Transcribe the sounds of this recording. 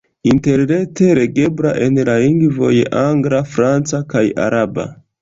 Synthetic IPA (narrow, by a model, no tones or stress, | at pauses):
inte̞ɾne̞te̞ɾe̞ɡe̞bɾaʔe̞nlaliŋɡvo̞̰jʔaŋɡɾafɾant͡sakaja̰ɾaba̰